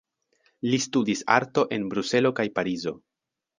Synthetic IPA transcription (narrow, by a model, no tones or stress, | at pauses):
listudisa̰ɾto̞ʔe̞nbɾuse̞lo̞kajpaɾizo̞